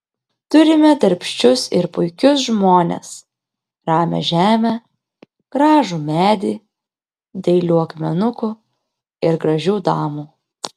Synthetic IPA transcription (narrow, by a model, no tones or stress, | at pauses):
t̪ʊɾʲɪmʲɛd̪ɐɾʲpʲʃʲt͡ʃʲʊsɪɾpʊɪkʲʊs̬ʒmoːnʲḛs | ɾɑːmʲɛ̰ʒʲæːmʲɛ | ɡ̥ɾɑːʒuːmʲæːd̪ʲiː | d̪ʲɐɪlʲuːɐkmʲɛnʊkʊ | ɪɾɡɾɐʒʲuːd̪ɑːmuː